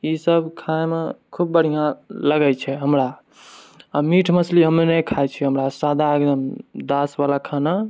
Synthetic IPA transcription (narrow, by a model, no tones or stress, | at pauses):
isəbʱkʰaemekʰubːəɽ̤ijãləɡɛt͡ʃʰɛɦəmɾa | amiʈʰməsliɦəmnenəjkʰajt͡ʃʰɛɦəmɾasad̪ʱaekd̪əmd̪asbalakʰana